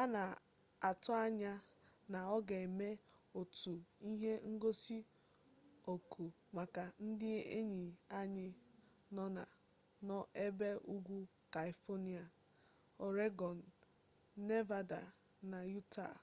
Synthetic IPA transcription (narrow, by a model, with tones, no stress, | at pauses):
a˦na˨ | a˨tʊ˦a˦ɲa˦ | na˨ɔ˦ɡe˨e˨me˦ | o˨tu˨i˦ɦe˦ŋ̩˦ɡo˦si˦ | o˨kʰu˨ | ma˨ka˨n̩˦dɪ˦ḛ˦ɲi˨a˦ɲɪ˦ | nɔ˦na̰˨ | nɔ˦ʔe˦be˦u˦ɡʷu˦ | ka˨i˨fɔ˦ni˦a˨ | ɔ˨ɾe˦ɡɔ˨n̩ː˨ | e˦va˦da˨ | na˨ju˦ta̰˨